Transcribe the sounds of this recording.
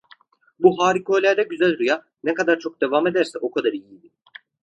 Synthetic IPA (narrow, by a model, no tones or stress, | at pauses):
buɦaːɾikʰoːlʲæɾd̪ɛɟyzælʲɾuja | nɛkad̪aɾt͡ʃʰo̞k̚d̪e̞vaːme̞d̪æɾsɛʔo̞kʰad̪aɾijijd̪i